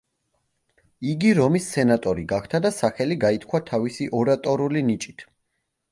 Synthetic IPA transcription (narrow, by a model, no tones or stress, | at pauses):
iɡiɾɔmisːɛnat̪ʼɔɾiɡakʰt̪ʰad̪asaχɛliɡait̪ʰkʰwat̪ʰavisiʔɔɾat̪ʼɔɾulinit͡ʃʼi̥t̪ʰ